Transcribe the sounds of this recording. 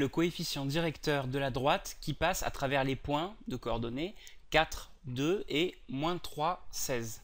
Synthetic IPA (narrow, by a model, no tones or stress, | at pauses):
ləkɔefisjɑ̃d̪iʁɛkt̪œʁd̪əlad̪ʁwat̪kʲipasa̰t̪χavɛʁlepwɛ̃d̪əkɔɔʁd̪ɔnekat̪χ | d̪øemwɛ̃t̪χwasɛz